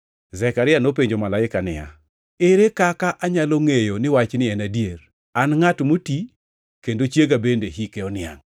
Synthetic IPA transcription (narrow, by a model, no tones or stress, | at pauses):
zɛkaɾɪjanopeɲd͡ʒomalaɪkanɪ̰ja̰ | eɾekakaʔaɲaloŋejonɪwat͡ʃnɪɛnadjeɾ | anŋatmoti | kendot͡ʃjeɡabendeɦikeɔnɪa̰ŋ